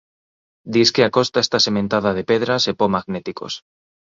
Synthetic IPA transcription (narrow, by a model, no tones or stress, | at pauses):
d̪iskeakost̪aest̪asemẽnt̪að̞að̞epeðɾasepomaɣnet̪iko̰s